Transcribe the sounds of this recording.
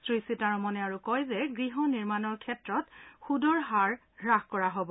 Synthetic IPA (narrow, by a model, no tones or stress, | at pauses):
sɹisitaɹɔmɔnɛaɹukɔjzɛɡɹiɦɔniɹmanɔɹkʰɛtɹɔtxudɔɹɦaɹ | ɹaxkɔɹaɦobɔ